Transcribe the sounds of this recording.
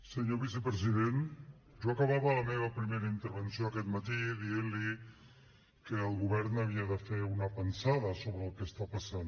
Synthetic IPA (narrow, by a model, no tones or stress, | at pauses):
səɲoβisəpɾəziðen | ʒoəkəβaβələmeβəpɾimeɾəint̪əɾβənsioəkɛt̪mət̪iðienli | kəːlˠɣuβɛɾnəβ̞iəðəfeunəpənsaðəsoβɾəːlˠkəst̪apəsan